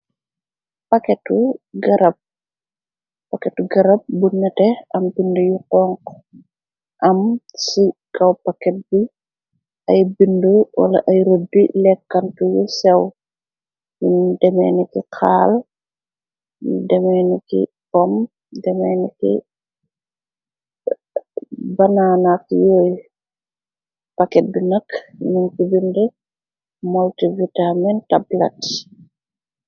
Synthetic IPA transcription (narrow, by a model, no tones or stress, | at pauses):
pɐkɛtuɡɐɾɐp̚ | pakɛtuɡɐɾɐp̚bunːɐtɛɐmbindujuqɔːŋk | ʔɐmsikɐwpɐkɛt̚bi | ɐjbindəwɐ̰lɐ̰ʔɐjɾodːilɛkːɐntujusɛw | jundɛmɛ̰ːnikikʰaːl | dɛmɛnikḭ | kɔm | dɛmɛnikḭ | bananakjoːj | pakɛdunakninkibindɛ | mɔltivitamɛntabla̰t